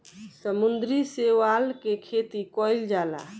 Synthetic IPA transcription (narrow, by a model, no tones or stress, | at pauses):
səmund̪ɾiseʋalkekʰet̪ikɔild͡ʒala̰